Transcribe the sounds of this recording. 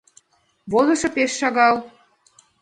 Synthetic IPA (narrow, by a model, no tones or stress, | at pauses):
βozɤ̆ʃɤ̆peʃːɑɣɑl